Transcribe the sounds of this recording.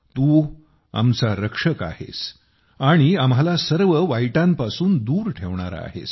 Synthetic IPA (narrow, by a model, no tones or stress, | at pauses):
t̪uː | a̰mt͡saɾəkʂəka̰hḛs | aɽ̃iamɦalasəɾʋəʋajʈampasuːnd̪uːɾʈʰeʋɳ̃a̰ɾa̰ːɦḛs